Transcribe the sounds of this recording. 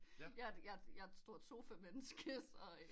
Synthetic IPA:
jɑjɑjɑ̈sd̥o̝ɐ̰t͡sʰo̝̰ːfɛmmensɡ̥əsɒ

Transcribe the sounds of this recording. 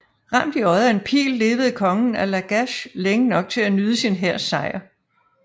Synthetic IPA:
ʁɑm̰d̥iɒ̽ɪɐe̝npʰḭːlːe̝ːʋð̞̩ˠkʰɒ̽ŋn̩ælæɡ̥æɕleŋənɒ̽ɡ̥̚t͡sʰe̝lænyð̞ˠəsinɦeɐ̰sɑ̈ɪ̰ɐ

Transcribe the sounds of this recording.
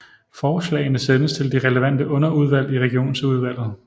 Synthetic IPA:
fɒːslɛ̰ːɪnəsenəst͡sʰe̝ld̥iʁɛləʋæn̰d̥əʔɔ̽nɐuð̞ˠʋæl̰ˠiʁɛɡ̥io̝̰ːnsuð̞ˠʋæl̰ð̞̩ˠ

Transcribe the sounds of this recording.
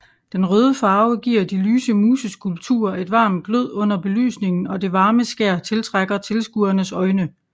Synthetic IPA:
d̥enʁœːð̞ˠəfɑ̈ːʊɡ̥iːɐ̰dilyːsəmuːsəskʰulb̥̚t͡sʰṵːɐe̝d̥ʋɑ̈ːmd̚ɡ̥løð̞̰ˠɔ̽n̰ɐb̥e̝ly̰ːsne̝ŋn̩ɒ̽de̝ʋɑ̈ːməsɡ̥æɐ̰t͡sʰe̝lt͡sʰʁaɡ̥ɐt͡sʰe̝lsɡ̥uːɐnəsɒ̽ɪnə

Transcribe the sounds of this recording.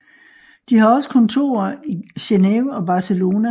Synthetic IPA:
d̥ihɑ̈ɒ̽sə̥kʰɒ̽nt͡sʰo̝̰ːɐiɕenɛʊɒ̽b̥ɑ̈səlo̝ːnæ

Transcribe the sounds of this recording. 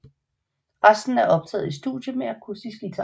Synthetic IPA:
ʁasd̥n̩æɐʔɒ̽b̥̚t͡sʰɛ̰ːð̩ˠisd̥ṵd̥jəmeækʰusisɡ̥it͡sʰæ

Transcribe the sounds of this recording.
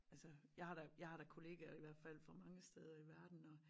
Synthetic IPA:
ælsəjɑ̈ɪhɑ̈ɾ̥ɑjɑ̈ɪhɑ̈ɾ̥ɑ̈kʰo̝le̝̰ːɡ̥æiʋæɐ̰d̥fæl̰fɒ̽mɑ̈ŋəsd̥eːð̞ˠɐiʋæɐd̥n̩ɒ̽

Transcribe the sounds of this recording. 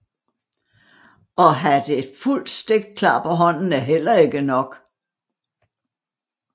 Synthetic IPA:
ɒ̽ɦæd̥e̝ful̰d̥sd̥e̝ɡ̥̚d̥̚kʰlɑ̰̈ːpʰɒ̽ɦɒ̽n̰n̩æɦel̰ɐe̝ɡ̥ənɒ̽ɡ̥

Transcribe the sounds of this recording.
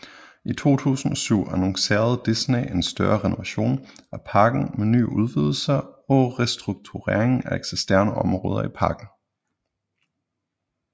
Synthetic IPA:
it͡sʰo̝̰ːt͡sʰṵːsn̩ɒ̽syʊ̰ænoŋse̝̰ːɐð̞̩ˠd̥isnee̝nsd̥ɶɐʁɛnoʋæɕo̝̰ːnæpʰɑ̈ːɡ̥n̩meny̰ːuð̞ˠʋið̞ˠl̩sɐɒ̽ʁɛsd̥ʁuɡ̥̚t͡sʰuʁḛɐeŋ̩æeɡ̥sesd̥æɐnəɒ̽mʁɔ̽ːð̞ˠɐipʰɑ̈ːɡ̥n̩

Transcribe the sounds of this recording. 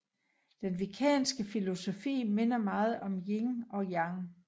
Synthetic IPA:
d̥enʋikʰɛ̰ːnsɡ̥əfilo̝so̝fḭːme̝nɐmɑ̈ːð̞̩ˠɒ̽mjeŋɒ̽jɑ̈ŋ

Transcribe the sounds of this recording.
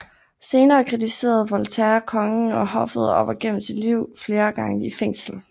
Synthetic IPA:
se̝ːnɐːkʰʁit͡sʰise̝̰ːɐð̞̩ˠʋɒlt͡sʰæɐkʰɒ̽ŋəɒ̽hɒ̽fð̩ˠɒʊɐɡ̥em̰m̩sid̥liʊ̰fle̝ːɐɡ̥ɑ̈ŋəifeŋ̰sl̩

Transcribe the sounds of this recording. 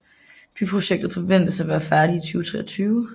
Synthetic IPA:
b̥ʰypʰʁo̝ɕeɡ̥̚d̥ð̩ˠfɒ̽ʋen̰d̥əsæʋæːɐfæɐɾ̥iit͡sʰyːʊt͡sʰʁɛ̰ːɒt͡sʰyːʊ

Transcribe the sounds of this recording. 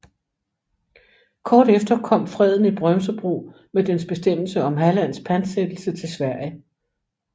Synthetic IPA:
kʰɒːɾ̥efd̥ɐkʰɒ̽m̰fʁɛð̞̰ˠn̩ib̥ʁɶmsəb̥ʁṵː | med̥ensb̥e̝sd̥em̰l̩səɒ̽mɦælæn̰spʰænd̥sed̥l̩sət͡sʰe̝lsʋæɐ̰jə

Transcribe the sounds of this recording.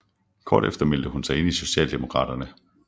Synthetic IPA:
kʰɒ̰ːd̥efd̥ɐmeld̥əhunsɑ̈ɪe̝niso̝ɕɛ̰ːld̥e̝mo̝kʰʁɑ̰̈ːɾ̥ɐnə

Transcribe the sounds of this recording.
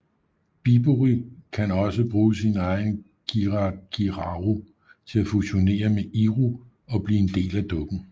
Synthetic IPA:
b̥ib̥uʁikʰænɒ̽səb̥ʁuːsinɑ̈ɪn | ɡ̥iʁɡ̥iʁɑʁo | t͡sʰe̝læfuɕo̝ne̝̰ːɐmeʔiʁu | ɒ̽b̥liːe̝nd̥e̝̰ːlæd̥ɔ̽ɡ̥n̩

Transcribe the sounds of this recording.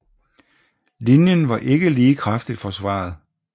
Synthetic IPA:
linjənʋɑ̈ʔe̝ɡ̥əliːkʰʁafd̥id̥fɒ̽sʋɑ̰̈ːð̞̩ˠ

